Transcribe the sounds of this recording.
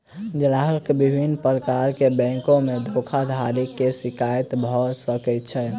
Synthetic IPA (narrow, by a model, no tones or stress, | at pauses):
d͡ʒəlaɦəkbibʱinpɾəkaɾkebɛ̃ŋkõmed̪ʱokʰad̪ʱaɾikːesikajt̪bʱɔsəkɛt̪t͡ʃʰɛ